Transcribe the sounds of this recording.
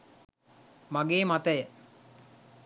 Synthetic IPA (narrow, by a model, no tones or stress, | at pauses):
maɡeːmat̪əjə